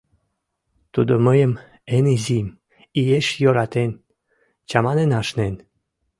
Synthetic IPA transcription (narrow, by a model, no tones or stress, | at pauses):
t̪ud̪oməjəm | enezʲim | ijeʃjoɾat̪en | t͡ɕamanenaʃnen